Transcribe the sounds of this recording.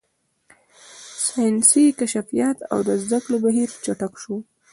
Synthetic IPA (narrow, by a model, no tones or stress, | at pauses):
sɑjnsikaʃafijat̪a̰wd̪əzd̪aklobaɦiɾt͡ʃaʈakʃo